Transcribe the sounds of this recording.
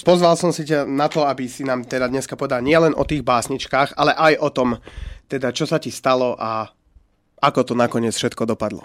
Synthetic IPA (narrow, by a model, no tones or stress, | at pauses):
pɔzʋalsɔmsicanat̪ɔabisinaːmt̪ɛd̪ad̪ɲɛskapɔʋɛd̪alɲɪɛlɛnʔɔ̰t̪iːɣbaːsɲit͡ʃkaːxalɛʔajʔɔt̪ɔmt̪ɛd̪at͡ʃɔsacist̪alɔʔa | akɔt̪ɔnakɔɲɪɛt͡sfʃɛt̪kɔd̪ɔpad̪lɔ̰